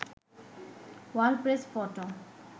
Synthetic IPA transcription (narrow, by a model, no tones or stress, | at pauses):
walpɾespɔʈo